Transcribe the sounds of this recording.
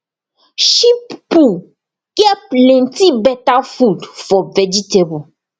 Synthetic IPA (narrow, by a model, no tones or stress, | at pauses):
ʃipːu | ɡ̥ɛp̚lɛ̃ntibɛtafudfɔvɛd͡ʒitebo